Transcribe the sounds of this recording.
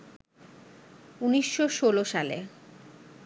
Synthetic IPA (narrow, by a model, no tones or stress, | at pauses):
uniʃːoʃoloʃalḛ